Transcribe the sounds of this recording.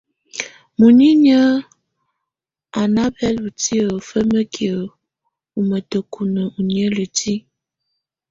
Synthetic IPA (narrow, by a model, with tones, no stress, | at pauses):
mu˨ni˦nə˦ | a˨na˦bɛ˦lu˨ti˦ə˨fə˦mə˦kjə˨ | u˨mə˨tə˨kʰu˨nə˨u˨njə˦lə˨ti˦